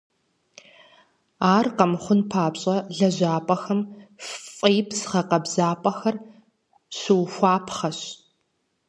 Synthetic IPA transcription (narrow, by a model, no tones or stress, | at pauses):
aːrqɐmχʷʊnpʰaːpɕʼɐɮɐʑaːpʼɐxɐmfʼejpʰsɨ̥χɐqɐbzaːpʼɐxɐr | ɕɪwxʷaːpʰχɐɕ